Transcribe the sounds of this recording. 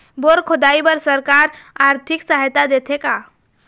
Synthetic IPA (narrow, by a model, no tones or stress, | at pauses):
boɾkʰod̪aibəɾsəɾkaɾaɾt̪ʰiksaɦjt̪ad̪et̪ʰeka